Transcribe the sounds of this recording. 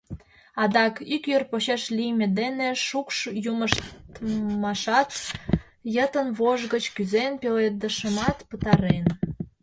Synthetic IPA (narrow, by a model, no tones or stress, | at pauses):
ɑd̪ɑkykjørpoɕeʃlijmʲed̪eneʃukʃjuməʃt̪mɑʃɑt̪ | jət̪ənβoʒɣət͡ɕkyzenpeled̪əʃəmɑt̪pət̪ɑɾen